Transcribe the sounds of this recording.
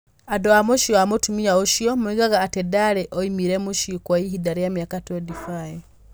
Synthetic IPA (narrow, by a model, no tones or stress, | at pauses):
adoamoʃoamotumiaoʃjomuiɣaɣaːtedaɾeʔoimiɾemuʃikwaiɦidaɾijamjakatoedifaje